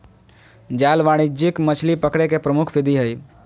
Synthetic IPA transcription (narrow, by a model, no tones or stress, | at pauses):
d͡ʒaːlʋaːɽ̃id͡ʒɪkmət͡ʃʰlipəkɽekepɾəmʊkʰpʰɪd̪iɦəj